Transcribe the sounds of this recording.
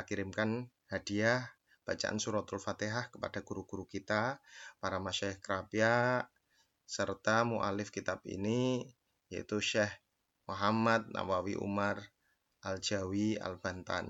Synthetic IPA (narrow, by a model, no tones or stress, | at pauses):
kiɾɪmkan | hadiah | b̥at͡ʃa̰ʔa̰nsuɾɔt̪ʊlfat̪eɦahkə̥pad̥aɡuɾuɡ̥uɾukit̪apaɾamaʃaɪhkəɾapia | sərt̪amuʔa̰lɪfkit̪abḭni | jaḭt̪uʃɛh | muɦamat̪̚na̰wawḭʔṵmar | ʔald͡ʒawia̰lbant̪a̰n